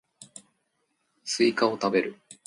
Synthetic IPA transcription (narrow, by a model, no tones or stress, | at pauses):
sɨikao̞t̪abe̞ɾɯ̟